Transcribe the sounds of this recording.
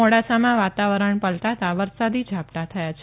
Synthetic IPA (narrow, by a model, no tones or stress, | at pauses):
oɽasamãʋat̪aʋəɾəɳpəlt̪at̪aʋəɾsad̪id͡ʒʱapt̪at̪ʰəjat͡ʃʰ